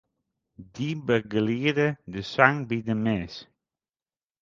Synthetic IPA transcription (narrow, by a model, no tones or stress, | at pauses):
dibəɡəliːədədəsaŋbidəmɛːs